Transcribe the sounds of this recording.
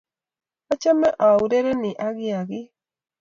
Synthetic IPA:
a˦t͡ʃa˦mɛ˦ʔa˨u˨ɾe˦ɾe˦nɪ˨ʔa˦ɡɪ˦a˨ɡɪ˦

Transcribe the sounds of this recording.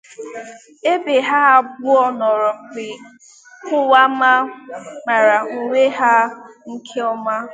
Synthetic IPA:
e˦be˨ɦa˦ɦa˦bʊ˦ɔ˦nɔ˨ɾɔ˨m̩˨k͡pɪ˨ | kʊ˦wa˦ma˦ma˨ɾa˨ŋ̩˨wʷe˦ɦa˦ŋ̩˦kʰe˦ɔ˦ma˦

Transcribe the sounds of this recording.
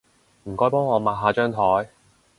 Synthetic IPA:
m̩˨˩kɔː˥jpɔː˥ŋɔː˨˧maː˨t̚ɦaː˧t͡ʃœː˥ŋt̪ʰɔː˨˥j

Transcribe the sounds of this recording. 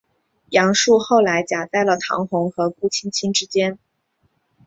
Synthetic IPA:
jɑ˧˥ŋʂu˥˧xo˥˩ʊla˧˥ɪt͡ɕja˨˩t͡s̪a˥˩ɪlə˩t̪ʰɑ̰˧˥ŋxʊ˧˥ŋxɤ˧˥ku˥˩t͡ɕʰi˥nt͡ɕʰi˥nʈ͡ʂɻ̩˥t͡ɕjɛ˥n

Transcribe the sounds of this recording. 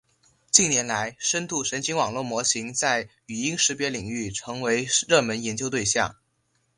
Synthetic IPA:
t͡ɕi˥˩njɛ˧˥nla˧˥ɪʂə˥nt̪u˥˩ʂə˧˥nt͡ɕʰi˧˥ŋwɑ˨˩ŋlwɔ˥˩mwɔ˧˥ɕi˧˥ŋt͡sa˥˩ɪ | y˨˩i˥ŋʂɻ̩˧˥pjɛ˧˥li˨˩ŋy˥˩ʈ͡ʂʰɤ˧˥ŋwe˧˥ɪɻɤ˥˩mə˧˥njɛ˧˥nt͡ɕjo˥ʊt̪we˥˧ɪɕjɑ̰˥˩ŋ

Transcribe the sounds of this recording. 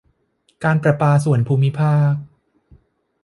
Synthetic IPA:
kaː˧npɾa˨˧paː˧su˨˩ənpʰuː˧mːi˦˥pʰaː˥˩k̚

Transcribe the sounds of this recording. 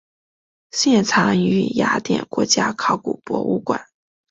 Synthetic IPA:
ɕjɛ˥˩nt͡sʰɑ˧˥ŋy˧˥ja˧˥t̪jɛ̰˨˩nkwɔ˧˥t͡ɕja˥kʰɑ˥˩ʊkṵ˨˩pwɔ̰˧˥ṵ˥˩kwa̰˨˩˦n

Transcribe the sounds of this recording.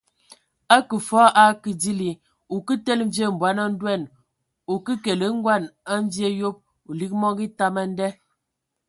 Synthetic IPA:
a˦kə˨fɔ˦ʔa˦ki˨di˦li˨ | u˨ki˦tɛ˦lm̩˦ve˦˨m̩˨bwa˨˦na˦n̩˦dwɛ˦˨n | u˨ki˦ke˨lə˨˦ŋ̩˦ɡwa˦˨na˦ɱ˦vje˦jo˦p̚ | u˨li˦k̚mɔ˦ŋɡi˦ta˦ma˦n̩˦dɛ˦

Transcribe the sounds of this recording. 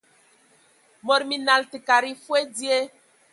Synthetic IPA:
mɔ˨ɾmi˨na˨lti˨ka˨ɾi˦fu˦e˦di˦e˦

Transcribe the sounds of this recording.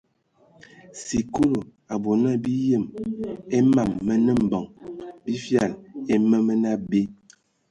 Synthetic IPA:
si˨ku˦lo˨ | a˨bo˨na˦˨bi˦jə˦˨me˦ma˨mːə˦nə˦m̩˨bɔ˨ŋbi˦fja˦˨le˦mə˦mə˦na˦be˦

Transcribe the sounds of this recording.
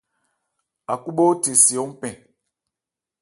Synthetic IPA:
a˨ku˦ɓo˦te˨si˨o˦m̩˦pɛ̃˨

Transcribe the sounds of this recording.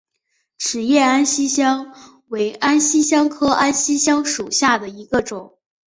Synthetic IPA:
ʈ͡ʂʰɻ̩˨˩jɛ˥˩a˥nɕi˥ɕjɑ˥ŋ | we˧˥ɪa˥nɕi˥ɕjɑ˥ŋkʰɤ˥ʔa˥nɕi˥ɕjɑ˥ŋʂu˨˩ɕja˥˩d̪ə˩i˧˥ɡə˧ʈ͡ʂʊ˨˩˦ŋ

